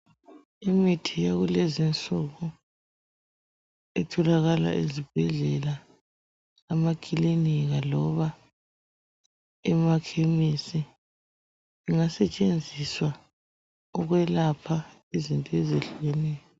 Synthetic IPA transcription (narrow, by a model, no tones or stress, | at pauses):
imitʰijaɣulɛzint͡sʼuɣu | ɛtʰɔlaɣala̰ʔezib̥ʱɛɮɛla | makʼiliniɣalɔβa | ɛmakʰemisi | iŋasɛt͡ʃʼend͡zʱiswa | ɔɣwɛlapʰa | izintʼɔɛzeɬujɛnɛːjɔ